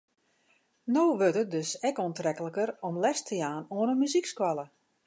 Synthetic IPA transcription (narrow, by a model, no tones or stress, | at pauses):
noːʋøtət̚døsɛkoəntrɛkələkərɔmlɛstʰəjaːnoənəmyzikskwalə